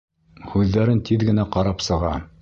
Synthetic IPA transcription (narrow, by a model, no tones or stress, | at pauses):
hʉðːæɾɘnt̪iðɡɘ̆næqɑɾɑpsɤ̆ʁɑ